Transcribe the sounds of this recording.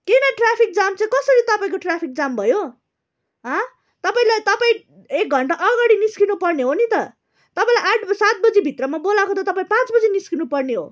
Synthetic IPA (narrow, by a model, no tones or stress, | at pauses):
kenʌʈrapʰik̚d͡zamt͡saĩkʌsʌɾit̪ʌpaĩkoʈrapʰik̚d͡zambʱʌjo | ɦʌ | t̪ʌpaĩlajt̪ʌpaĩ | ek̚ɡʱʌɳʈaʔʌɡaɽiniskinupʌrneɦonit̪ʌ | t̪ʌpãĩlajaʈʰsat̪̚bʌd͡zibʱit̪rʌmabolakot̪ʰʌt̪ʌpãĩpãt͡sbʌd͡ziniskinupʌrneɦo